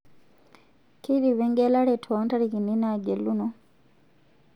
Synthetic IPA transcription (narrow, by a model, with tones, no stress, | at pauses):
ki˦di˨βe˦ŋɡe˦la˦ɾe˨tʰo˦nta˦ɾiki˨ni˦na˨ɡe˨luno